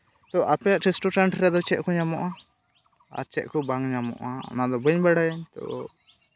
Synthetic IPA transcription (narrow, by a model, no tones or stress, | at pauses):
t̪ɔʔapɛjaʔʈʰisʈɔʈɾaɳʈɾɛd̪ɔt͡ʃɛʔ̪kɔɲamɔʔa | a̰ɾt͡ʃɛʔ̪kɔbaŋɲamɔ̰ʔa̰ɔ̰nad̪ɔbəɲbaɽajaɲt̪ɔ̰